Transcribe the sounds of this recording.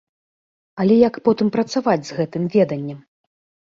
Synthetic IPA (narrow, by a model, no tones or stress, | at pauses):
ɐlʲɛjɐkpɔt̪ɨmpɾɐt̪savad͡zʲzɣɛt̪ɨmvʲɛd̪ɐnʲːɛm